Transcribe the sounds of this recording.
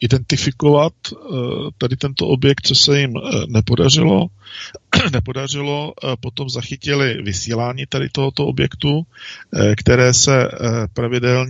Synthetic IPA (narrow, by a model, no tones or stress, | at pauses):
ɪdɛnt̪ɪfɪkovat̪ː | adɪt̪ɛnt̪o̰ʔobjɛk̚t̪̚t͡sosɛjɪmnɛpo̞dar̝ɪlo̰ | nɛpo̞dar̝ɪlo̞po̞t̪o̞mzaxɪcɪlɪvɪsiːlaːɲiːt̪adɪ̰t̪o̞ɦot̪oobjɛkt̪u | kt̪ɛɾɛːsɛpɾavɪdɛlɲ